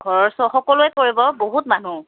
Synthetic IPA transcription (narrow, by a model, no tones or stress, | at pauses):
ɡʱɔɹɔɹsɔxɔkɔlʊɛkoɹibɔboɦutmanu